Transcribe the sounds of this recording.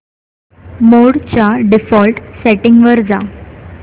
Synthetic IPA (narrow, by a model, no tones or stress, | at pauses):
moɽt͡ɕjaɖifɔlʈsɛʈiŋɡʋəɾd͡za